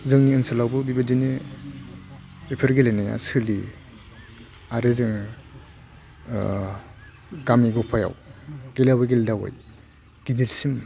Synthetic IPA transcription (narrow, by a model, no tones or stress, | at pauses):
zɯŋniːnsalawbɯbibadinɯ | epʰeɾɡelenaja̰sɯli | aɾezɯŋ | ɡamiɡɔpʰaja̰wɡ̥elawajɡeldawa̰j | ɡ̥indilsim